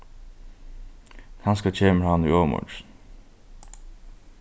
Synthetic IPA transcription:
kʰanskat͡ʃʰeːməɹhanʏ̰oːmɔ̰t͡ʃn

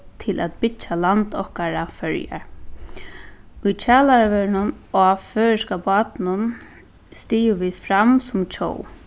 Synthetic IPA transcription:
t̪ʰɪlʔæ̰t̪pɪt͡ʃːalant̪ɔhkaɹafœɹja̰ | ʊjt͡ʃʰaːlaɾaʋɛɹnʊn | ɔføːɹskapɑːt̪nʊn | st̪iːjʊʋiːðfɾamsʊmt͡ʃʰo̰ːw

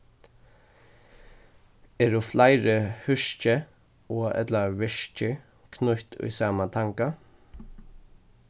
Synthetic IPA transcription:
ɛɾuflajɾəhʏʃcə | ɔːɛ̰t̪laʋɪʃcə | kʰnʊht̪ʏ̰jsaːmat̪ʰaŋka

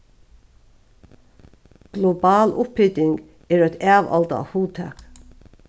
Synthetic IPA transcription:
ɡ̥lɔbɑːlʊphɪt̪ɪŋɡ | ɛːɾæt̪ʰæːʋɑ̰lt̪a̰huːt̪ʰæ̰k

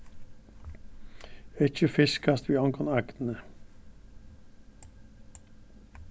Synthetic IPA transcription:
ɛt͡ʃəfɪskʰɑst̪ʋiːɔŋɡʰɔnɑkt̪n̩ə

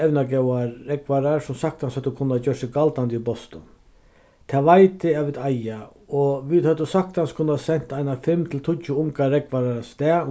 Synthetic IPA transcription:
ɛwnaɡɛwaːɛkʋaɾaɾsʊmsak̚t̪anshat̪ːʊkʰʊnːat͡ɕœʂsɪkalt̪and̪ibɔst̪ʊ | t̪ʰaːʋajt̪ɪaʋɪðaja | ɔʋiðhat̪ʊsak̚t̪anskʰʊnːasɛn̥t̪aɪnafɪmt̪ʰɪlt̪ʰʊt͡ʃːʊʊŋkaɾɛkʋaɾast̪ɛː

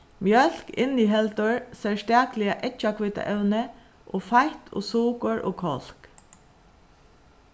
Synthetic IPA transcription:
mjœl̥kɪ̰niɦɛlt̪ʊɹsɛlst̪æːklɪaʔɛt͡ʃːakʰʋɪt̪a̰ʔɛwnə | ʔoːfajht̪ʰo̰ːsuːkʊɹʔo̰ːkʰɔl̥k

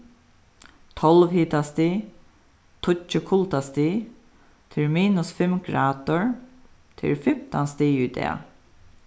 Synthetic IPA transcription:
t̪ʰɔlʋhiːt̪ast̪iː | t̪ʰʊt͡ʃəkʰʊlt̪ast̪iː | t̪ʰɪlmiːnʊsfɪmɡɾaːd̪ʊɹ | t̪ʰɪ̰lfɪmt̪anst̪iːʊt̪ɛ̰ː

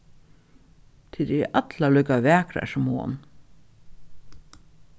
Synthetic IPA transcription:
t̪ʰɪd̪ḭʔɑt̪ʰlɑlœɡɑʋæːkɾæ̰ʃmo̰ːn

